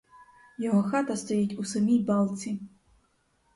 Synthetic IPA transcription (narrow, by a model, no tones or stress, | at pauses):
jaɣɔxat̪ɐst̪ɔjit͡sʲusɐmʲijbalˠt̪sʲi